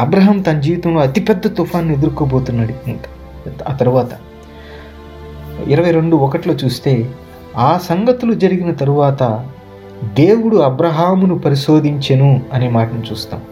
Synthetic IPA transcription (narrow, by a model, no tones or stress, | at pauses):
ɐbɾɐːɦɐmt̪ɐnd͡ʒiːʋit̪ɐmloːɐt̪ipɛd̪ːɐt̪upʰaːnːie̞d̪uɾkoːbo̞ːt̪unːɐɽi | aːt̪ɐɾuʋaːt̪ɐ | iɾɐʋɐjɾeɳɖuɔkɐʈilo̞ːt͡ʃuːst̪e̞ː | aːsɐŋɡɐt̪ulud͡ʒɐɾiɡinɐt̪ɐɾuʋaːt̪ɐ | d̪e̞ːwuɽuɐbɾɐɦaːmunupɐɾiʃo̞ːd̪ʱiɲt͡ʃɐnuɐneːmaːʈɐnɐmt͡ʃuːst̪a̰ːm